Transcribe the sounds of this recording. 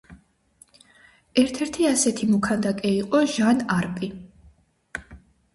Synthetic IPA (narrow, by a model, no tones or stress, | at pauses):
ɛɾt̪ʰɛɾt̪ʰiasɛt̪ʰimɔkʰand̪akʼɛiqʼɔʒanaɾpʼi